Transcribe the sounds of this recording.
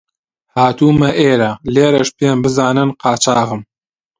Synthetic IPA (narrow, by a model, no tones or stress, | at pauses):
haːt̪uːmɐʔeːɾɐleːɾɐʃpembɨzaːnɨnqɑːt͡ʃaːɣɨm